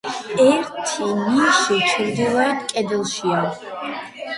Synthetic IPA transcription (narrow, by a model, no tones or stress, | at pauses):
ɛɾt̪ʰiniʃit͡ʃʰiɾd̪ɛlaɛt̪kʼɛd̪ɛlˠʃia